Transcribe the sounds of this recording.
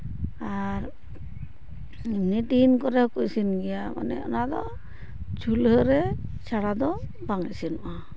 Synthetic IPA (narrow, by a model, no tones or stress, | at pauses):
aɾ | imniʈinkɔɾɛhɔkujsinɡɛjama̰nɛ̰ɔ̰nad̪ɔ | t͡ʃulɦəɾɛt͡ʃʰaɽad̪ɔ | baŋɛsinɔʔa